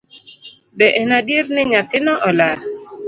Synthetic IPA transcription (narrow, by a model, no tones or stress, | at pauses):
bɛʔɛnadjernɪɲat̪ɪnɔʔɔla